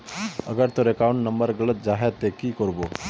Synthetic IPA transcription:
əɡəɾt̪oɾekawuɳʈnəmbəɾɡəɭət̪̚d͡ʒaɦet̪ːekiːkɔɾbo

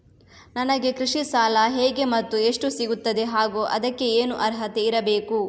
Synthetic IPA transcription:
nɐnɐɡe̞kɾiʂisaːlɐɦeːɡe̞mɐt̪ːue̞ʂʈusiɡut̪ːɐd̪e̞ɦaːɡuːʔɐd̪ɐkːe̞eːnuʔɐɾɦɐt̪e̞iɾɐbeːku

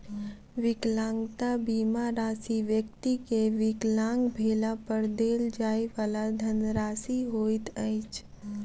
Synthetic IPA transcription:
ʋɪklãːŋɡt̪abiːmaɾaːsiʋjəkt̪ikeʋɪklãːŋɡbʱeːlapəɾd̪eːld͡ʒaːiʋaːlad̪ʱənɾaːsiɦoːit̪ə̃ɪt͡ʃ

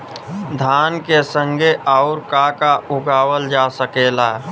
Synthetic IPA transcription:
d̪ʱaːnkesə̃ŋɡeʔaʊɾkakaʔʊɡaːwəld͡ʒasəkeːla

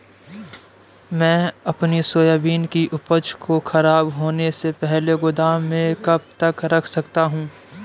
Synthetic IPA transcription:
mɛ̃ːɐpnisoːjaːbiːnkiʔʊpət͡ʃkoxɐɾaːbɦoːnesepɛɦleɡʊd̪aːẽkɐb̚t̪ɐkɾɐkʰsɐkt̪aɦũː

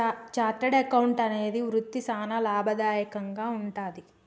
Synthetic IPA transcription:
t͡ʃaːʈːɐɽɐkɐwɳʈɐne̞ːd̪iʋɾut̪ːisaːnɐlaːbʱɐd̪aːjɐkɐŋɡaːuɳʈaːd̪i

